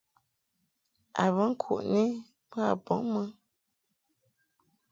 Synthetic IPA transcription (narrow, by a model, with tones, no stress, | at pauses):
a̰˨βə˦ŋ̩˦kʰṵ˨ʔne˦ | pə˦a̰˨bɔ˨˦ŋmə˦